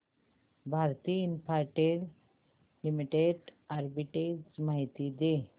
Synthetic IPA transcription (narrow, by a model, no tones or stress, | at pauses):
bʱaɾt̪iːinpaɾʈeɽ | limiʈeɖaɾbiʈeɡsmaɦit̪id̪e